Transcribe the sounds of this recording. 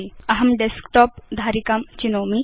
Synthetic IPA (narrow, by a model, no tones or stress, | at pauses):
iɐɦɐmɖeskʈɔːp̚d̪ʱaːɾikamt͡ɕinoːmi